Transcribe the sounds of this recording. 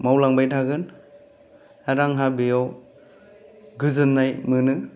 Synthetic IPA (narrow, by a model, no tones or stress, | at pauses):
mawlaŋbajtʰaɡɯn | aɾaŋɦabijaw | ɡɯzɯnːajmɯnɯ